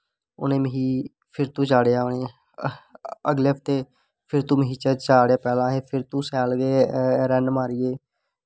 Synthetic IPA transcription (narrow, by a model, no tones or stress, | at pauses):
ʊ̰nẽːmɦiː | pʰɪɾt̪ũːt͡ʃaːɽejaːʊnẽː | əɡleːpʰt̪eː | pʰɪɾt̪ũːməɦiːt͡ʃəːt͡ʃaːɽeaːpɛːlãːɦeːpʰɪɾt̪ũːsɛːlɡeːɾɛnmaːɾɪjeː